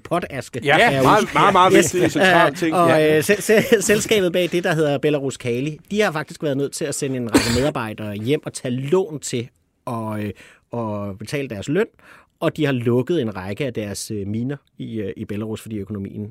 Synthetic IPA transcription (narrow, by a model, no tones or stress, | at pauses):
pʰɒ̽d̥æsɡ̥əæmɑ̈ːe̥sɑeɒ̽ø | selsɡ̥ɛ̰ːb̥ð̩ˠb̥ɛ̰ːd̥e̝d̥ɑ̈ɦe̝ð̞ˠɐb̥elæʁuskʰɛːlid̥ihɑ̈fɑ̈ɡ̥̚isɡ̥ʋæɐð̞ˠnøð̰ˠt͡sʰe̝læsenəe̝nʁɑ̈ɪɡ̥əmeðˠɑ̈ːb̥ɑ̈ɪ̰d̥ɐːjem̰ɒ̽t͡sʰælɔ̰̽ːnt͡sʰe̝ | ɒ̽ | ɒ̽b̥e̝t͡sʰɛ̰ːləd̥æɐsløn̰ | ɒ̽d̥ihɑ̈lɔ̽ɡ̥əð̞̩ˠe̝nʁɑ̈ɪɡ̥əæd̥æɐsømiːnɐ | iib̥elæʁusfɒ̽d̥ḭːøkʰo̝no̝mḭːn̩